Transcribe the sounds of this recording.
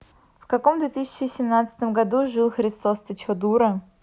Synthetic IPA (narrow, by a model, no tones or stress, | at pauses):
fkɐkomd̪vʲet̪ɨsʲɪ̥t͡ɕɪsʲɪmnat̪sə̥t̪əmɡɐd̪uʐɨlˠxɾʲɪst̪ost̪ʲət͡ɕod̪uɾə